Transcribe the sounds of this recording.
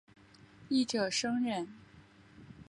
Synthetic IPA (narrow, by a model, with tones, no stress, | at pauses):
i˥˩ʈ͡ʂɤ˨˩ʂɤ˥ŋɻə˥˩n